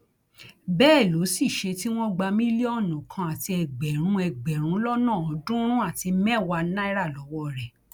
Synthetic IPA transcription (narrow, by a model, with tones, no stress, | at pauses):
bɛː˦˨lo˨˦si˦˨ʃe˧ti˦w̃ɔ̃˦ɡ͡ba˧mĩ˦li˦ɔ˦˨nũ˨kʰã˧a˨ti˧ɛ˨ɡ͡bɛ˨ɾ̃ũ˨˦ɛ˧˨ɡ͡bɛ˨ɾ̃ũ˨˦lɔ˦nãː˦˨ɔ˨˦dũ˦ɾ̃ũ˦a˦˨ti˧mɛ̃˦˨wa˧nã˦i˦ɾa˦˨lɔ˨˦wɔ˦ɾɛ˨